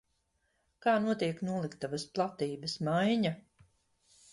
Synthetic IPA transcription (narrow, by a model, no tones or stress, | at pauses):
kaːnuɔt̪iɛknuɔlˠikt̪avasplˠat̪iːbɐsmajɲa